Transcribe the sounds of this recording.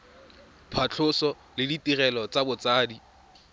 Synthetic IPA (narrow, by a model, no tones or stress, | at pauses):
pʰat͡ɬʰʊsɔ | lɪditirɛlɔt͡sabʊt͡saːdi